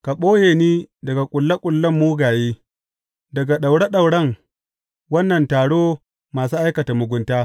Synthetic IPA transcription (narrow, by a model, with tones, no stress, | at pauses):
ka˨ɓoː˦jeː˨niː˦dɐ˨ɡa˨kʷʼʊ˨lːɐ˦kʷʼʊ˨lːɐ˦mːuː˦ɡaː˨jeː˦ | dɐ˨ɡa˨ɗa˨wɽɛ˦ɗa˨wɽɐ˦ŋ | wɐ˦nːɐ˨ntaː˨ɽoː˦ | maː˨suː˦ʔa˦jkɐ˨ta˨mʊ˨ɡʷʊ˨ntaː˦